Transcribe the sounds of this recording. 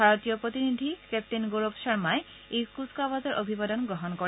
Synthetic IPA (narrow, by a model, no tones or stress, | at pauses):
bʱaɹot̪ijɔpɹot̪inid̪ʱikep̚tinɡoɹobʃɔɹmae | ekuskabazɔɹʔobʱibadɔnɡɔɦɔnkɔ